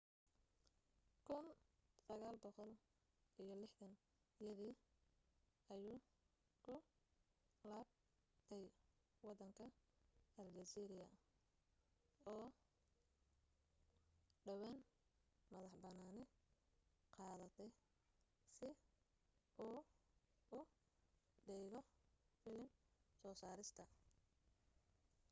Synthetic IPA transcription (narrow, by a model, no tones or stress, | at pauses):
kʰʊnsɐɣaːlbɔqɔl | ʔijɞlɪħtɐn | jɐðiː | ɐjuː | kʰʊ | laːb̚ | t̪ʰɛj | wɑd̪ɐŋkʰɐɐlɡɐsiɾɪjɐ | ɔː | ɖɐwɛnmɐðɐħbɐnaːnɪ | qɑːðɐt̪ʰɛj | sɪ | ʔuː | ʊ | ɖɛːɣɔfɪlɪnsɔːsaːɾɪst̪ʰɐ